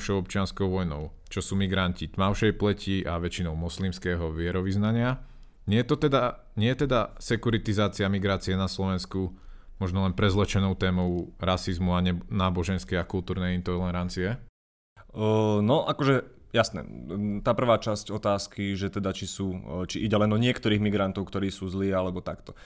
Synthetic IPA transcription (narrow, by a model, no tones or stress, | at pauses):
ʃɔʊɔp̚t͡ʃɪanskɔʊʋɔjnɔʊ | t͡ʃɔsuːmiɡɾancit̪maʊʃɛjplɛcʰiʔaʋɛt͡ʃinɔʊmɔslimskɛːɦɔʋɪɛɾɔʋiznaɲɪa | ɲɪɛjɛt̪ɔt̪ɛd̪a | ɲɪɛjɛt̪ɛd̪asɛkuɾit̪izaːt͡siamiɡɾaːt͡siɛnaslɔʋɛnsku | mɔʒnɔlɛnpɾɛzlɛt͡ʃɛnɔʊt̪ɛːmɔʊɾasizmuaɲɛnaːbɔʒɛnskɛjakult̪uːɾnɛjint̪ɔllɛɾant͡siɛ | nɔʔakɔʒɛ | jasnɛ̰t̪aːpr̩ʋaːt͡ʃascɔt̪aːskiʒɛt̪ɛd̪at͡ʃisuːt͡ʃiʔiɟɛlɛnɔɲɪɛkt̪ɔɾiːɣmiɡɾant̪ɔʊkt̪ɔɾiːsuːzliːalɛbɔt̪akt̪ɔ